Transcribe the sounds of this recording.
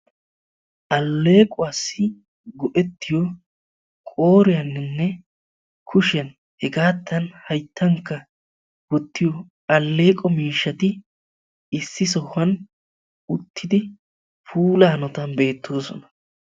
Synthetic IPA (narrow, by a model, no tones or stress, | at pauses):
ʔɐlːe̞ːkʼʊɐsːɪ | ɡɔʔɛt̪ːɪjɔ | kʼo̞ːɾɪjɐnːɪnːɛ | kʰʊʃɪjɐn | hɛɡaːt̪ːɐnhɐjt̪ʰːɐŋkːɐ | wɔt̪ːɪjɔ | ɐlːe̞ːkʼɔmiːʃːɐt̪ɪ | ɪsːɪsɔhɐn | ʊt̪ːɪd̪ɪ | pʰuːlɐːnɔt̪ɐnbe̞ːt̪ːo̞ːsɔ̰nɐ̥